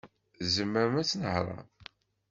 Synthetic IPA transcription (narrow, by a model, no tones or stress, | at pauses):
zəmːəɾəmæt͡sːnəhɾˤɑ̰